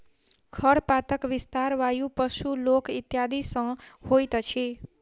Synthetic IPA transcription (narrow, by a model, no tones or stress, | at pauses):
kʰʌɾpat̪ʌkbist̪aɾwajupʌsulokit̪jad̪isʌ̃hojt̪ʌt͡sʰi